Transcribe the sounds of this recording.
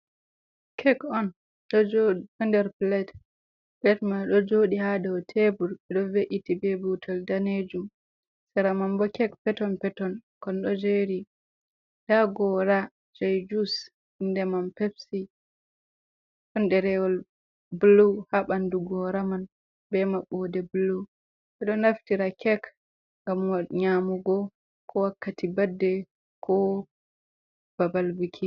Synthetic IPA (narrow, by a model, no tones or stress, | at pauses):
kʰɛkɔn | ɗɔd͡ʒoɔndɛɾplɛt | plɛtmaɗɔd͡ʒoɗihadɔwtʰebuɾɛɗɔveʔitibebutʰɔldaned͡ʒum | sɛɾamambɔkɛkpɛtɔnpɛtɔnkɔnɗɔd͡ʒeɾi | ɗaɡɔɾa | d͡ʒajd͡ʒus | indɛmanpepsi | kɔnɗɛɾɛwɔl | buluwhaɓanduɡɔɾaman | bɛmaɓɔdɛbulu | ɓɛɗɔnaftiɾakɛk | ŋɡamwaɲamuɡɔ | kʰɔwakːatibadːɛ | kʰɔ | b̥abalbikʰi